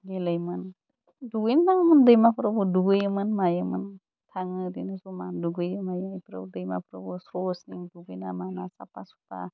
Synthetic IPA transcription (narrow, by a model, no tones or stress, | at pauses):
ɡelajmɯn | duɡɯjntaŋmɯndɯjmapʰɯɾabɔduɡɯjɯmɯnmajɯmɯn | tʰaŋɯdinasumaduɡɯjɯmajajpʰɾa̰dɯjma̰pʰɾabɔsɾɔsniŋduɡɯjnamanasa̰pasu̥pa̰